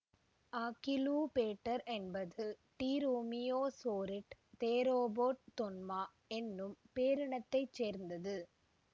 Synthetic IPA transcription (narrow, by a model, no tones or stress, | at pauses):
aːkɪluːpeːʈːɐɾɛnbɐðɯʈiːɾoːmɪjoːsoːɾɪʈt̪eːɾoːboːʈ̚t̪ɔnmaː | ɛnːɯmpeːɾɪɳɐt̪ːɐɪt͡ʃːeːɾnd̪ɐðɯ